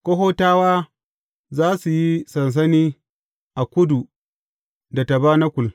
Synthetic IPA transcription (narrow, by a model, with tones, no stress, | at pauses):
kʷo˦ɦoː˦taː˦waː˦ | zaː˦su˨ji˦sɐ˨ns̬ɐ˦niː˦ | ʔa˨kʷʊ˦du˨ | da˨ta˨baː˦na˦kʷʊ˨l